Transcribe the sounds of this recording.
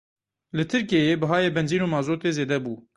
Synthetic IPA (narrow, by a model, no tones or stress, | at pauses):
lɨt̪ʰɪɾkeːjeːbɨɦɑːjeːbɛnziːnoːmɑːzoːt̪eːzeːd̪ɛbuː